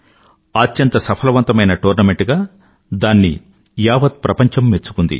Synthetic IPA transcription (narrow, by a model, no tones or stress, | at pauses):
aːtːjɐnt̪ɐsɐpʰɐlɐʋɐnt̪ɐmɐjnɐʈoːɾnɐme̞ɳʈɡaː | d̪aːnːḭ | jaːʋɐt̪̚pɾɐpɐɲt͡ʃɐmːet͡ʃːu̥kund̪ḭ